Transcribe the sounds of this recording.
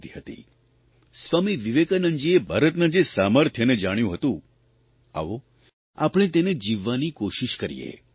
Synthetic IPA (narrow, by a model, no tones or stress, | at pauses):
t̪iɦət̪ḭ | sʋamiʋiʋekanəɲd͡ʒiebʱaɾət̪nad͡ʒesaməɾt̪ʰjəned͡ʒaɽ̃jũɦət̪ũ | a̰ʋo | a̰pɽ̃et̪̬ened͡ʒiʋːanikoʃiʃkəɾḭjḛ